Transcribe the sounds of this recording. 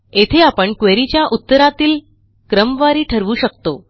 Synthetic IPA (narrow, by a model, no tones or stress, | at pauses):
et̪ʰeapəɳkʋeɾit͡ɕjaʔut̪ːəɾat̪iːl | kɾəmʋaɾiːʈʰəɾʋuːɕəkt̪o